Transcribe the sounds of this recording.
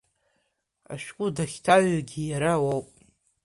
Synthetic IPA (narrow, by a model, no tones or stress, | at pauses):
a̰ʃᶣkʷʼʊdaχʲtʰaɥaɡʲijaɾawowpʼ